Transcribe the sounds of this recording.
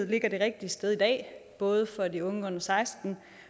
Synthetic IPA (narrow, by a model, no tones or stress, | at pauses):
ð̩̰ˠle̝ɡ̥ɐɾ̥e̝ʁeɡ̥̚d̥iəsd̥eð̞ˠid̥ɛ̰ːb̥ɔ̽ːð̞ˠəfɒ̽diɔ̽ŋəɔ̽nɐsɑ̈ɪsd̥n̩